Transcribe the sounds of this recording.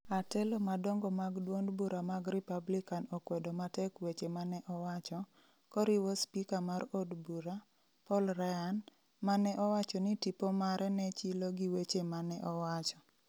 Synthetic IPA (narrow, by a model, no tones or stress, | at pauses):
atɛlomadɔŋɡɔmaɡdwondbuɾamaɡripablikanɔkwɛdɔmatɛkwet͡ʃemanɛʔɔwat͡ʃɔ | kɔɾiwospikamaɾodbuɾa | pɔlɾajan | manɛʔɔwat͡ʃɔnitipɔmaɾʔɛnɛt͡ʃiloɡiwet͡ʃemanɛʔɔwat͡ʃɔ